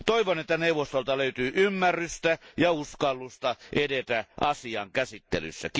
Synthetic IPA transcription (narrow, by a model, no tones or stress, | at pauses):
t̪oiʋonet̪ːæneuʋˑost̪olt̪ɑløyt̪yːʔymːærːyst̪æjɑuskɑlːust̪ɑʔedet̪æʔɑsiɑ̰ŋkæsit̪ːḛly̰sːæ̰k